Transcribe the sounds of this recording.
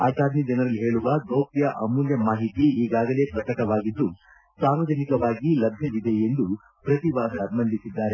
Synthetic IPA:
aːtaːd̪nid͡ʒɐnɐɾɐlːiɦe̞ːɭuʋɐɡoːpjɐʔɐmuljɐmaːɦit̪iiːɡaːɡɐle̞ːpɾɐkɐʈɐʋaːɡid̪ːu | saːɾʋɐd͡ʒɐnikɐʋaːɡilɐbʱjɐd̪id̪e̞end̪u | pɾɐt̪iʋaːsɐɐbmɐnd̪ʱisid̪ːaːɾe

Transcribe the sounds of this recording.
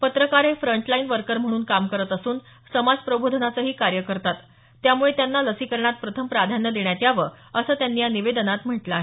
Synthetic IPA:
pət̪ɾəkaɾɦefɾəɳʈlainʋəɾkəɾm̤əɽ̃uːnkamkəɾət̪əsuːn | səmad͡zpɾəbod̪ʱənat͡səɦiːkaɾjəkəɾt̪at̪ː | jamuɭet̪janːaləsiːkəɾɳat̪̚pɾət̪ʰəmpɾad̪ʱanjəd̪eɳjat̪jaʋə | əsəːt̪janːiːjaniʋed̪ənat̪m̤əʈləːɦe

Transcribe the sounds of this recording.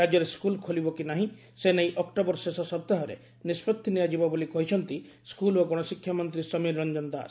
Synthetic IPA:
ad͡ʒɔɾeskulkʰolibɔkinaɦĩ | senejʔɔkʈɔbɔɾsesɔsɔb̚t̪aɦɔɾḛ | nispɔt̪ʰːinijad͡ʒibɔbolikɔɦit͡ʃʰɔnt̪i | skuloɡɔɽ̃ɔsikʰjamɔnt̪ɾisɔmiɾːɔɲd͡ʒɔnd̪a̰

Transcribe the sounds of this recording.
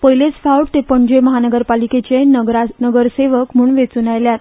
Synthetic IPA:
pəjlet͡sfawʈt̪epəɳd͡ʑeməɦanəɡəɾpaliket͡ɕeɾanəɡəɾseʋəkm̤uːɳʋet͡sunajljat̪̚

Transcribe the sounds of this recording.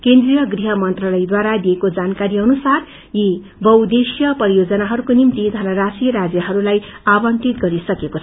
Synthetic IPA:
kend̪rijʌɡriɦʌmʌnt̪ralʌjd̪waɾad̪iekod͡zankaɾiʌnusar | ji | bʌwd̪esjʌpʌɾijod͡zʌnaɦʌɾukonimt̪id̪ʱʌnʌɾasijʌɾad͡zjʌɦʌɾulajabʌnt̪it̪ɡʌɾisʌkekot͡sʰʌ

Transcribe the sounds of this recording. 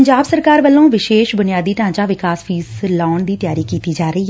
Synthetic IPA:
ɲd͡ʒaːbsəɾkaːɾʋəlːõːʋɪʃeːʃbʊnɪjaːd̪iːt̪ãːt͡ʃaːʋɪkaːspʰiːzlɔːɳd̪iːt̪ɪjaːɾiːkiːt̪iːd͡ʒaːɾəiː

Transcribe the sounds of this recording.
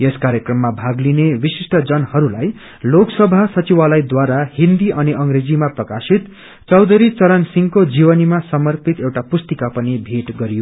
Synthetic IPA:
jeskaɾjekrʌmːabʱaɡlinewisisʈʌd͡zʌnhʌɾulaj | loksʌbʱasʌt͡siwalʌjd̪waɾahind̪iʔʌniʔʌŋɾed͡zimaprʌkasit̪ | t͡sʌwd̪ʌɾit͡sʌɾʌnsiŋkod͡zibʌnimasʌmʌrpit̪ewʈapust̪ikapʌnibʱeʈɡʌɾijo

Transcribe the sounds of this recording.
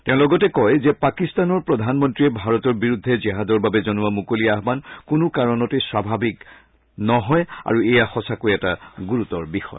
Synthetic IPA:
tɛ̃ʊ̃lɔɡɔtɛkɔjzɛpakistanɔɹpɹɔd̪ʱanmɔntɹiɛbʱaɹɔtɔɹbiɹud̪ʱːɛd͡ʒɛɦadɔɹbabɛzɔnuwamukolijaɦbankʊnʊkaɹɔnɔteswabʱabik | nɔɦɔja̰ɹuejaxɔsakojɛtaɡuɹutɔɹbixɔ̰

